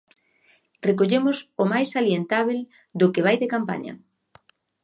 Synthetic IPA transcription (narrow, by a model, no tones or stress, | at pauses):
rekoʎemʊsomajsaljent̪aβ̞el | d̪okeβ̞ajðekampa̰ɲɐ̰